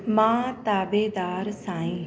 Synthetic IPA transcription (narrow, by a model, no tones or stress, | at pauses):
mãːt̪aːbeːd̪aːɾsãːĩː